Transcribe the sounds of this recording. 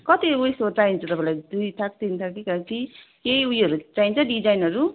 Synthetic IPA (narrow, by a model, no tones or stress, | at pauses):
kʌt̪iujsot͡sajnt͡sad̪ʌbalajdujt̪ʰak̚t̪int̪ʰakikakikejujʌɾut͡sajnt͡saɖid͡ʒajnʌɾu